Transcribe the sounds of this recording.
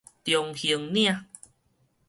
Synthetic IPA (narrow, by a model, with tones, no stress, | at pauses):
t̪jɔ˧ŋhi˧ə˧ŋnĩ˦ã˧˨ʔ